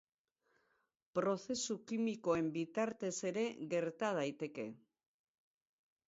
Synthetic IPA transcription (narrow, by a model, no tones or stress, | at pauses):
pɾo̞θe̞sukimiko̞e̞mbit̪aɾt̪e̞se̞ɾe̞ɣe̞ɾt̪að̞ajt̪e̞ke̞̰